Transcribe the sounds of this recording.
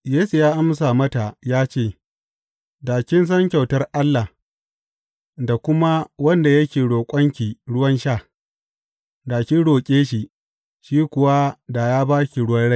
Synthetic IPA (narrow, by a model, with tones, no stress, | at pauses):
jeː˦su˨jaː˦ʔa˦msa˨mɐ˦ta˨jaː˦t͡ʃeː˦˨ | daː˨kʲɪ˦ns̬ɐ˦ŋkʲa˨wtɐ˦rʔa˦lːa˨h | da˨kʷʊ˦ma˦wɐ˦nda˨jɐ˦kʲeː˨ɽoː˨kʷʼɐ˦ŋkʲiː˨ɽʊ˦wɐ˦nʃaː˦˨ | daː˨kʲi˦ɽoː˨kʲʼeː˦ʃi˨ | ʃiː˦kʷʊ˨wa˦da˨jaː˦baː˦kʲi˨ɽʊ˦wɐ˦ɽa˦˨